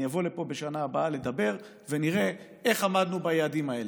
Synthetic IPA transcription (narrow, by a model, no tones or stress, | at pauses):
javo̞lepo̞beʃanaːbaale̞d̪abe̞ʁ | ve̞niʁe̞ | e̞χamad̪nubajaːdimae̞l